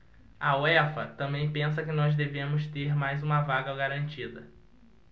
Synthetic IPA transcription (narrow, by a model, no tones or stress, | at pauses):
ɐoɛfɐt̪ɐ̃mbẽj̃pẽs̬ɐkɪnɔzd̪evẽmʊst̪eɾmajzũmɐvaɡɐɡaɾɐ̃nt͡ʃid̪ɐ